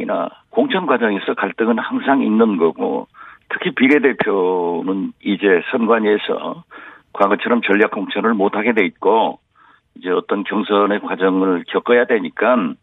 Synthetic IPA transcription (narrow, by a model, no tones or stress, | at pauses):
ina̰koŋt͡ɕʰʌnɡwad͡ʑʌŋe̞sʰʌkaɭt͈ɯŋɯnhaŋsʰaŋinːɯnɡʌɡo̰tʰɯ̥kʰipiɾe̞de̞pʰjonɯnid͡ʑe̞sʰʌnɡwaɲe̞sʰʌ̰ | kwaɡʌt͡ɕʰʌɾʌmt͡ɕʌʎːjak͈̚oŋt͡ɕʰʌnɯɭmotʰaɡe̞dwe̞it̚k͈o | id͡ʑe̞ʌt͈ʌnkjʌŋsʰʌne̞kwad͡ʑʌŋɯɭkjʌk͈ʌjadwe̞ɲik͈an